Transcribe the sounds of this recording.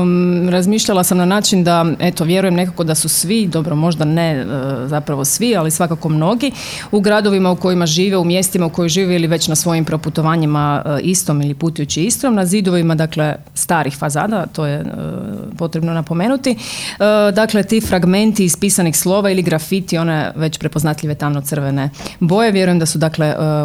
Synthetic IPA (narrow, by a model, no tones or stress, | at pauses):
ɾazmiːʃʎalˠasamnanaːt͡ʃind̪ae̞t̪o̞ʋje̞ɾuje̞mne̞kako̞d̪asusʋid̪o̞bɾo̞mo̞ʒd̪aneəzapɾaʋo̞sʋialisʋakako̞mno̞ɡi | uɡɾad̪oʋimauko̞imaʒiːʋeumje̞st̪imauko̞jojʒiːʋeiliʋe̞t͡ɕnasʋo̞jimpɾo̞put̪o̞ʋaːɲimaʔist̪o̞milipuːt̪ujut͡ɕiist̪ɾomnazid̪oʋimad̪akle̞ | st̪aːɾixfaza̰ːd̪at̪o̞jḛ | po̞t̪ɾebnonapo̞me̞ːnut̪iəd̪akle̞t̪ifɾaɡme̞nt̪iːspiːsanixslˠo̞ːʋailiɡɾafit̪io̞nḛʋe̞t͡ɕpɾepo̞znat̪ʎʲiʋet̪amnot̪sər̩ʋenebo̞jeʋje̞ɾuje̞md̪asud̪akle